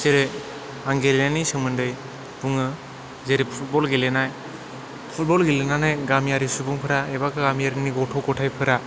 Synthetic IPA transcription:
seɾɯ | aŋɡelenanisɯmɯndɯj | b̥uŋɯ | zeɾippʰut̚bɔlɡelenaj | pʰut̚bɔlɡelenanajɡamijaɾisubuŋpʰɯɾaebakʰɯɡamijaɾiniɡɔtʰɔɡɔtʰajpʰɯɾa

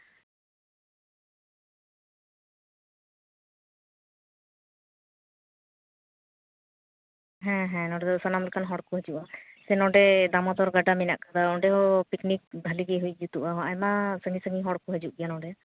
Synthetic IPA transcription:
ɦɛ̃ɦɛ̃nɔɖɛd̪ɔsanamlɛkanɦɔɽkuɦəd͡ʒuʔasɛnɔɖɛd̪amɔd̪ɔɾɡaɖaminaʔkad̪aɔɖɛɦɔpiknik̚d̪ʱaliɡɛɦuj̚ˀd͡ʒut̪uʔaɦɔʔajmasəŋisəŋiɦɔɽkuɦəd͡ʒuʔɡijanɔɖɛ

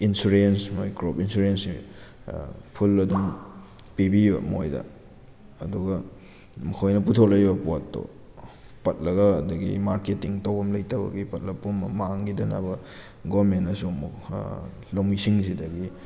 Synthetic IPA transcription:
insuɾensmojkɾopinsuɾensi | pʰulːɐduŋ | pibibɐ̰mo̰jdɐ̰ː | duɡɐ | mɐkʰojnɐp̬utʰok̚lɐjbɐpotːo̰ | pɐt̚lɐɡɐːdɐɡḭmaɾketiŋtowbɐmlɐjtɐbɐ̰ɡipɐt̚lɐpːummaŋɡidɐna̰bɐ | ɡomenɐsumuk | lɐwmisiŋsidɐɡi

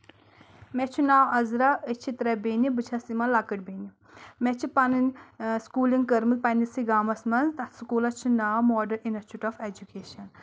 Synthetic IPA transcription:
mɛt͡ʃʰunaːwɐzɾaət͡ʃʰit̪ɾɐbeːnibɨt͡ʃʰɐsimɐnlakɨʈʲbeːni | mɛt͡ʃʰipɐnɨnskuːliŋɡkəɾmil̚pɐnisiɡaːmɐsmɐnzt̪ɐt̪sukuːlɐt͡ʃʰunaːwmɔːɖɐɾinɐt͡ʃʰuʈɔfed͡ʒukeːʃɐn

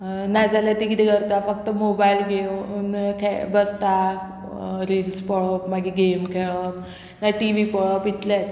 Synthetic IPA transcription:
nad͡zalat̪ikit̪ɛkəɾt̪afək̚t̪əmobajilɡʱeunkʰɛbəst̪a | ɾilspɔɭɔpmaɡiɡemkʰɛɭɔp | naʈiʋipɔɭɔpit̪lat͡s

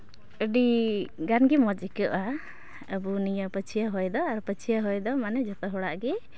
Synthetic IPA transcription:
əɖiɡanɡɛmɔd͡ʒikəʔa | əbunijəpət͡ʃʰijaɦɔjd̪ɔaɾpət͡ʃʰijaɦɔjd̪ɔmanɛd͡ʒɔt̪ɔɦɔɽaʔɡɛ

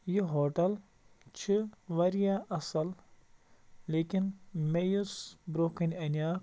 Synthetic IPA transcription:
jiɦoːʈɐl | t͡ʃʰiʋɐɾjaʔɐsɐl | leːkinmejusbɾoːkinʲɐnʲaː

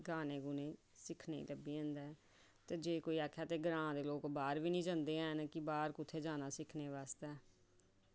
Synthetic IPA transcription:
ɡaːnẽːɡʊnẽː | sɪkʰnḛːləbiːə̃nd̪ɛː | t̪eːd͡ʒeːkoːiːaːkʰjaːt̪eːɡɾãːd̪eːloːkbaːɾʋiːnĩːd͡ʒə̃ːnd̪eːɛːnkɪbaːɾkʊt̪ʰːeːd͡ʒaːnaːsɪkʰneːʋaːst̪ɛː

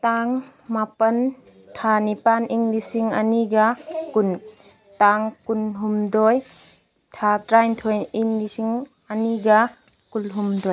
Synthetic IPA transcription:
taŋ | mapɐn | tʰanipaniŋlisiŋɐ̰niɡɐkun | taŋkunɦumdoj | tʰatɾajntʰojiŋlisiŋ | ɐniɡɐ | kulɦumdoj

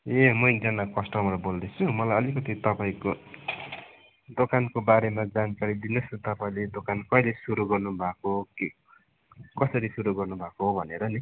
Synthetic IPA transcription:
emʌid͡zʌnakʌsʈʌmrʌbold̪et͡sʰumʌlajʌlikʌt̪it̪ʌpaĩko | d̪okankobaɾemad͡zankaɾid̪inʌst̪ʌpaĩled̪okankʌilesuɾuɡʌrnubʱakoke | kʌsʌɾisuɾuɡʌrnubʱakoɦobʱʌneɾʌni

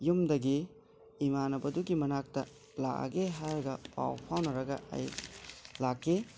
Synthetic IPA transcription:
jumdɐɡi | imanɐbɐduɡimɐnak̚tɐ | laʔɐ̰ɡeɦaɾɡɐpa̰wpʰawnɐɾɐɡɐa̰j | lakːe

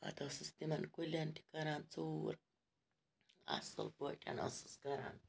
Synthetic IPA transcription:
a̰t̪osɨst̪imankʷilant̪ʲi̥kaɾant͡suɾ | a̰so̰lpʷetʲʼa̰no̰sɨ̥skaɾa̰n

